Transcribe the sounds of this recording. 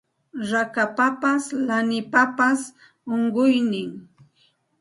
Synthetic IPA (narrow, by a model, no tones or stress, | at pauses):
ɾakapapaslanɪpapas | oɴɢʊjnɪŋ